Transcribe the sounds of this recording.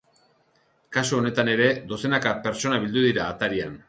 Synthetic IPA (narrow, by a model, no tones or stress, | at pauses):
kasuone̞t̪ane̞ɾe̞d̪o̞se̞nakape̞ɾt͡so̞naβild̪uðiɾaːt̪aɾian